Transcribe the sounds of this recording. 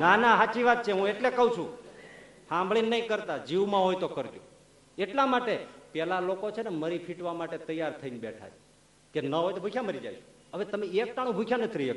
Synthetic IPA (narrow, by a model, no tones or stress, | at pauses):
nanaɦat͡ʃiʋat̪̚t͡ʃʰeɦũeʈlekəũt͡ʃʰũ | hãmbʱɭinnːəĩkəɾt̪ad͡ʒiʋmãɦojt̪okəɾt̪jõ | eʈlamaʈepɛlalokot͡ʃʰeneməɾipʰiʈʋamaʈet̪əjaɾt̪ʰəinbeʈʰa̰t͡ʃʰe | kenəɦojt̪obʱukʰjaməɾid͡ʒa̰jʃʰo̥ | əʋet̪əmeek̚t̪aɽ̃ũbʱukʰjanət̪ʰiɾiek